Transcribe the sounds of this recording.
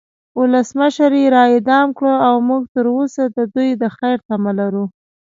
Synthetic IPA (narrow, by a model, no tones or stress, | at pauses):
ʊləsməʃɾjeɾɑɪd̪ɑmkɽəawmuɡ̚t̪əɾosad̪əd̪ujd̪əxajɾt̪amalaɾu